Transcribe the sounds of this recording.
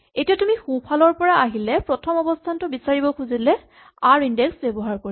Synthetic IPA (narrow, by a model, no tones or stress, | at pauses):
etijatumixupʰalɔɹpɔɹaaɦilɛpɹɔtʰɔmɔbɔstʰantʊbisaɹibɔkʰuzilɛ | aɹindeksbebɔɦaɹkoɹi